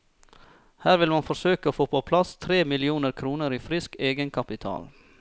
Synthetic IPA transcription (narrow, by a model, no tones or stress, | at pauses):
hæːɾʋɪlmɑnfɔsøːkəoːfoːpʰopʰlɑst̪ʰɾeːmɪlɪuːnəɾkʰɾuːnəɾiːfɾɪskeːɡənkʰɑpɪt̪ʰɑ̰ːl